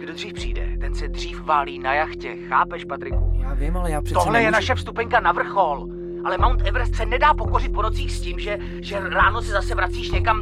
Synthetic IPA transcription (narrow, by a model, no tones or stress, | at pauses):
ɡ̥dod̪riːfpr̝̥ḭːdɛ̰t̪ɛnsɛd̪r̝iːfvaːliːnajaxcɛxaːpɛʃpat̪ɾɪkuɪt̪oɦlɛjɛnaʃɛfst̪upɛɲkanavr̩xol | ʔalɛmawnt̪ɛvɾ̩ssɛnɛdaːpo̞ko̞rɪt̪̚po̞no̞t͡siːxscɪmʒɛ | ʒɛɾaːnosɛzasɛvɾat͡siːʃɲɛkam